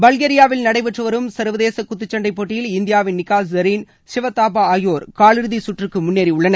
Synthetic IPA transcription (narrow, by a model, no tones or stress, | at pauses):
bɐlɣeːɾɪjaːʋɪlnɐɽɐɪpɛʈrɯʋɐɾɯmsɐɾʋɐðeːsɐkːʊt̪ːɯt͡ʃːɐɳɖɐɪpːoːʈːɪjɪlɪnd̪ɪjaːʋɪnːɪkːaːsɐɾiːn | ʃɪʋɐt̪ːaːpaːaːjoːɾkaːɭɪɾɯðisʊʈrɯkːɯmʊnːeːɾiʊɭːɐnɐ